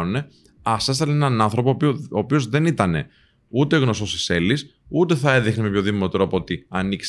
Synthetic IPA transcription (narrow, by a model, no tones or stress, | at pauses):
une̞ | ɐsest̪ɐnenɐnɐnθɾo̞popoːpio̞zðe̞nit̪ɐne̞ | ut̪e̞ɣno̞st̪o̞sise̞lis | ut̪e̞θɐeðexnimepço̞ðimot̪ɾo̞poot̪iɐniks